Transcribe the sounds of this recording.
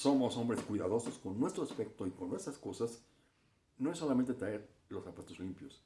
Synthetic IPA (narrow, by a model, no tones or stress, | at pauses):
so̞mo̞so̞mbɾe̞skwiðaðo̞so̞sko̞nːwest̪ɾoaspe̞k̚t̪oikonwe̞st̪ɾasko̞sas | no̞esːo̞lament̪e̞t̪ɾae̞ɾ | lo̞sapat̪ozlimpjo̞s